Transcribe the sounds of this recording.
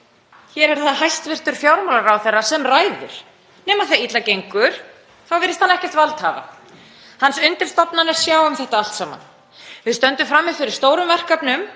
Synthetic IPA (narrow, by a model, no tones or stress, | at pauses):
çɛɾɛɾ̥θaðɦajst̪vɪr̥t̪ʏɾ̥fjaːwɾmawlaɾawθɛrːasɛmraːjðʏ̰ɾ̥ | nɛːmaðθajit̪lacejŋkʏɾ̥ | θawvɪːɾɪst̪anɛhcɛ̥t̪valt̪haːva̰ | hansʏnt̪ɪl̥st̪ɔpnanɛɾ̥sjaːwʏmθɛht̪aal̥t̪saːma̰n | vɪðst̪œnt̪ʏmfɾamːɪfɪɾɪɾ̥st̪oːwɾʏmvɛr̥kapnʏm